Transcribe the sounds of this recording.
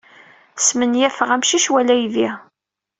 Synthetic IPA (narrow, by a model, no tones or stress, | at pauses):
smənjæfʁæmʃiʃwælæjði